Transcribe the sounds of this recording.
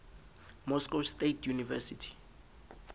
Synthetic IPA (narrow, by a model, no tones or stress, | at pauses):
mɔskɔstʼetʰjunivɛsitʰi̥